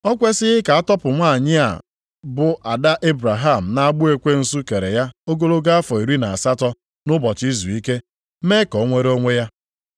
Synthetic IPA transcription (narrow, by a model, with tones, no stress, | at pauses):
ɔ˦kʷe˦sɪ˦ɣɪ˦ka˨a˦tɔ˦pʊ˨ŋʷa˦˨ɲɪ˦a̰˨ | bʊ˨ʔa˨da˦ʔe˦bɾa˨ɦa˦˨m̩˨na˦a˨ɡ͡bʊ˦e˨kʷe˦n̩˦su˦ke˨ɾe˨ja˦o˦ɡo˦lo˦ɡa˦a˦fɔ˨i˨ɾi˦na˨a˨sa˦tɔ˦ | nʊ˦bɔ˨t͡ʃi˦zu˨i˦ke˦ | me˦kɔ˨˦ŋʷe˦ɾo˦ŋʷe˦ja˦